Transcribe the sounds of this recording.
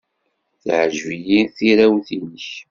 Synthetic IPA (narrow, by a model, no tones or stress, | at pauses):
θʕəʒvijiθiɾæwθinəç